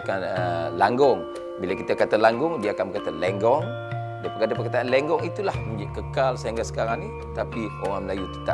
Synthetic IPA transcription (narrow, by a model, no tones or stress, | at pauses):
kanəlaŋɡɔŋ | bilakit̪akat̪alaŋɡʊŋdiaakanbəkat̪alɛŋɡɔŋ | diapəkadapəkat̪aanlɛŋɡɔŋit̪ulahmə̃ɲd͡ʒkəkalsaŋɡasə̥kaɾaŋni | t̪apioɾaŋməlajut̪i̥t̪a̰